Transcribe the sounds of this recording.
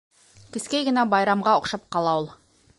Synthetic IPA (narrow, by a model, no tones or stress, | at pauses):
k̪ʲɪ̆skʲejɡɘ̆nɑbɑjɾɑmʁɑŏqʃɑp̚qɑlˠɑwolˠ